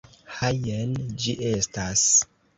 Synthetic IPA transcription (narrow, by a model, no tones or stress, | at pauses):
hajend͡ʒiʔe̞stas